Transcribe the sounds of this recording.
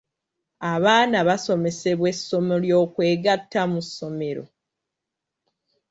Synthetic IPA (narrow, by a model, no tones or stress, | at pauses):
aβaːnaβaso̞me̞se̞βwe̞sːo̞moljo̞ːkwe̞ːɡatːamusːo̞me̞ɾo̰